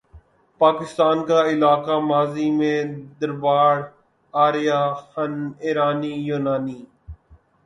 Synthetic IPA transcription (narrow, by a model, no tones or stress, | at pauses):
paːkɪst̪aːnkaɪlaːkamaːzimẽd̪əɾbaːɽ | aːɾijaːxɐnɪːɾaːniːjuːnaːniː